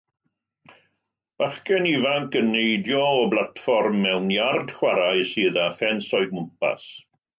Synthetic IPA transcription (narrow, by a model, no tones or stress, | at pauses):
v̥aχkɛnivaŋkənːejdjɔːblˠatfɔrmːɛwnjard̥χwaɾajsiːðafɛnsɔɨd̚mʊmpa̰s